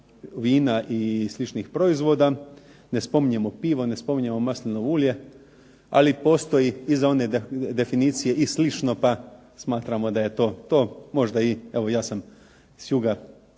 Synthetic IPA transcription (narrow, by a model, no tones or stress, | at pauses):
ʋiːnaʔislˠit͡ʃnixpɾo̞izʋo̞ːd̪a | ne̞spo̞miɲemo̞piːʋo̞ne̞spo̞miɲemo̞maslinoʋulje̞ | a̰lipo̞ːst̪o̞iizao̞ne̞d̪e̞finiːt̪sije̞ʔislit͡ʃno̞pa | smaːt̪ɾamo̞d̪aje̞t̪o̞ːt̪o̞ːmo̞ʒd̪aie̞ʋo̞jaːsam | sjuɡa